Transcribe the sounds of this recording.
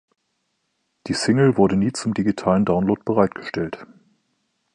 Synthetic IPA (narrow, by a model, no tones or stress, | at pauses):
d̥iːsɪŋl̩vʊɐdəniːt͡sʊmdiɡitʰaːləndaʊnloːt̚b̥əʁaɪtɡ̥ə̥ʃtɛlt